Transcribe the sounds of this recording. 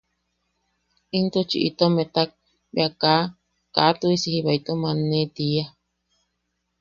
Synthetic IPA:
int̪ut͡ʃḭʔḭt̪omẽt̪ak̚ | bj̰aka | kat̪uisihiβait̪omãnẽt̪ia

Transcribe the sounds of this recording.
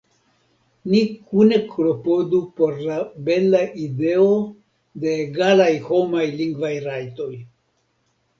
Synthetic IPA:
nikune̞klo̞po̞dupo̞ɾlabe̞laʔide̞o̞ | de̞ːɡalajho̞majliŋɡvajɾajto̞j

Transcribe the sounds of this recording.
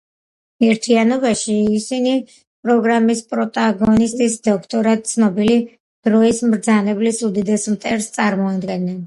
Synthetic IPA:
ɛɾt̪ʰianɔbaʃiːsini | pʼɾɔɡɾamispʼɾɔt̪ʼaɡɔnist̪ʼisd̪ɔkʰt̪ʼɔɾad̪̚t̪sʰnɔbili | d̪̥ɾɔismɾd̪zanɛblisud̪id̪ɛsmt̪ʼɛɾst̪sʼaɾmɔad̪ɡɛnːɛn

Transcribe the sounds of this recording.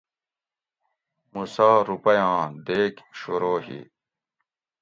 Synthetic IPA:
musaːɾupɐjãːd̪eːkɕuɾoːɦḭ

